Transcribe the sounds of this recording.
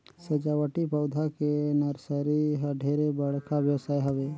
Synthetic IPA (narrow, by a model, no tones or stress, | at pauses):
sɐd͡ʒaːwəʈipɐwd̪ʱakenɐɾsəɾiɦɐɖʱeːɾebəɽ̤kaʋjəwsaːjɦɐʋeː